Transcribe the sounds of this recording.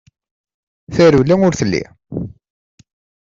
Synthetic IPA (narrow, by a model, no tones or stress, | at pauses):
θæɾulːæŋʊɾθəlːḭ